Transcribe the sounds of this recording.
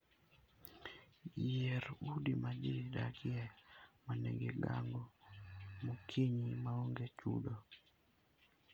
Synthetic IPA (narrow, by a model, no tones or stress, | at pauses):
jɛɾudimad͡ʒidakjɛmanḛɡeɡaŋɡɔ | mokʰiɲimaoŋɡet͡ʃṵdo